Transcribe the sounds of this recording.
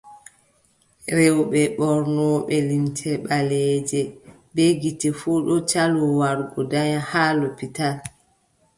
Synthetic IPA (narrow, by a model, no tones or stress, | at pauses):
ɾɛwɓɛɓɔɾnɔːɓɛlintʰɛɓalɛːd͡ʒɛ | beɡitɛfuɗɔt͡ʃalɔwaɾɡɔdaɲahaːlɔpital